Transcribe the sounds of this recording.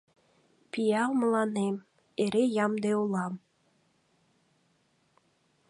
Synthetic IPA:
pijɑwmɤ̆lˠɑnem | eɾejɑmd̪eulˠɑm

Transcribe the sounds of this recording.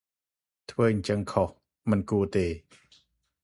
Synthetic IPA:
t̪ʰwəːʔɲt͡ɕəŋkʰɔh | mənkuət̪eː

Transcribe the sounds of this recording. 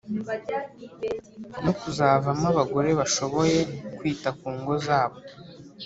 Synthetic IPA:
nokuzaːvamaβaɡo̞ɾe̞βaʃo̞βo̞je̞kwiːtakuːŋɡo̞zaːβo̞

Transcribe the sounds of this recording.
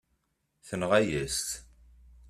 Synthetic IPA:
θənʁæjəst̪

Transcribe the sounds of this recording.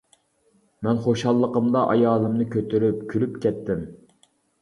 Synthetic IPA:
mɛnχoʃɑlˠːəqəmd̪ɑʔɑ̰jɑːlˠɨmnɨkʲʰøt̪ʰyɾypkʲʰylypkʲɛt̪ːɪm

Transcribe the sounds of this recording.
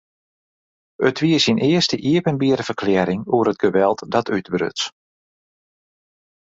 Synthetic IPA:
ətʋiəsinʔɪəstəʔiəpənbiəɾəv̥ərklɛːɾɪŋuəɾət̚ɡəʋɛlˠtdɔtʰytbrø̰ts

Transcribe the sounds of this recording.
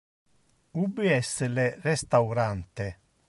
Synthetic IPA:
ubiɛsːelerɛst̪awɾant̪e

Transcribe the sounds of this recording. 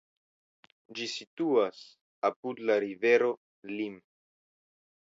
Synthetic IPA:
d͡ʒisit̪uas | apud̪laɾive̞ɾo | lim

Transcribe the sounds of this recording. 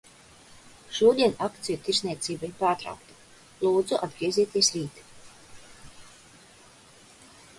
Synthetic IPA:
ʃuɔd̪iɛnakt̪sijut̪iɾznʲiɛt̪siːbajpaːɾt̪ɾa̰wk̚t̪ḁ | lˠuːd̪zuʔad̪ɡɾiɛzʲiːt̪iɛsɾiːt̪

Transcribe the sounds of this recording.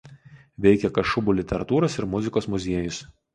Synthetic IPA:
ʋʲɛɪkʲɛkɐʃʊbuːlʲɪt̪ʲɛɾɐt̪uːɾɐsɪɾmʊzʲɪkoːsmʊzʲiɛjʊs

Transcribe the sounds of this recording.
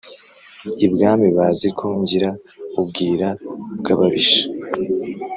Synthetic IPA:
ibɡaːmiβaːzikʰoɲɟiɾaub̚ɡiːɾabɡaβaβiʃḁ

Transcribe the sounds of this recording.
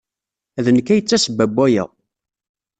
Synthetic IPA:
ðənəkːæjət͡sːæsəbæbːæjæ̰

